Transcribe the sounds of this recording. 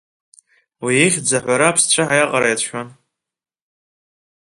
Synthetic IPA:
wieχʲd͡zaħʷaɾaːpʰst͡ɕʷʰaħajaqʼaɾajatʷʰʃʷᶣan

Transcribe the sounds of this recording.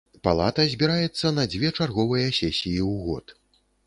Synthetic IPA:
palˠat̪ɐzʲbʲiɾajɛt̪sːɐnɐd͡zʲvʲɛt͡ʂarɣɔvɐjɐsʲɛsʲijiwɣɔ̰t̪

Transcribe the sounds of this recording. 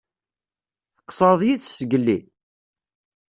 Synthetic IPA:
θə̥qːsˤəɾˤðˤjiθsəɡəlːi

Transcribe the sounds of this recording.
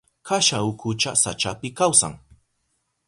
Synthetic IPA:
kaʃaʊkʊt͡ʃasa̰t͡ʃapɪkawsa̰ŋ

